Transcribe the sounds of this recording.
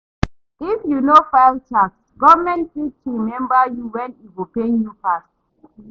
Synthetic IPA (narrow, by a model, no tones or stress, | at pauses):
ifjunofaɪlt͡ʃaksɡɔvəmɛ̃ntfid̚tuɹimɛ̃mbəjuwɛ̃niwipenjupas